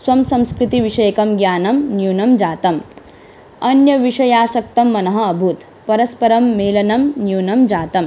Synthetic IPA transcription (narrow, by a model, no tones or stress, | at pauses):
swɐmsɐ̃mskɾɪt̪iʋiʂɐjɐkɐmɡjaːnɐmnjuːnɐmd͡ʒaːt̪ɐm | ɐnjɐʋiʂɐjaːʃɐk̚t̪ɐmːɐnɐɦɐːbʱut̪ | pɐɾɐspɐɾɐmːeːlɐnɐmnjuːnɐmd͡ʒaːt̪ɐm